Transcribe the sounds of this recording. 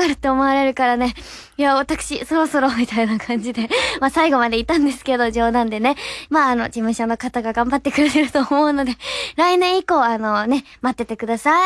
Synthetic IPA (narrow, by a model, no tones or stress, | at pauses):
aɾɯ̟t̪ːe̞ːmo̞aɾe̞ɾɯ̟kaɾane̞ | jaβat̪akɯ̟̥ɕiso̞ɾo̞so̞ɾo̞mʲit̪ainakʰãɲ̟d͡ʑid̪e̞masaiɡo̞mad̪e̞it̪ãnd̪e̞sɨ̥ke̞d̪o̞ʑo̞ːd̪ãnd̪e̞ne̞maːno̞̰d͡ʑimɯ̟̃ɕono̞kat̪aɡaɡãmbat̪ːe̞kɯɾet̪eɾɯ̟t̪o̞ːmo̞ɯ̟no̞d̪e̞ɾainẽ̞ɰ̃iko̞ːano̞ne̞ | mat̪ːe̞t̪e̞kɯ̟d̪asa